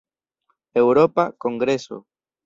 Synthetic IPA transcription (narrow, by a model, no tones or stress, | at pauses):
ewɾopakoŋɡɾeso̰